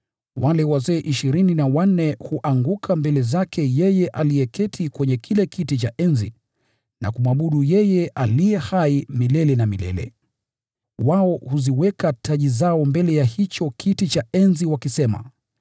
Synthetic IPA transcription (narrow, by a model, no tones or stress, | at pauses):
walɛwazɛːʔiʃiɾininawan̩ɛhuʔaŋɡukʰambɛlɛzakʰɛjɛjɛʔalijɛkɛtʰikwɛɲɛkʰilɛkitit͡ʃaʔɛnzi | na̰kumwaɓuɗujɛjɛʔalijɛhaimilɛlɛnamilɛ̰lɛ̰ | waɔhuziwɛkataʄizaɔmbɛlɛjahit͡ʃɔkʰitit͡ʃaɛnziwakisɛma̰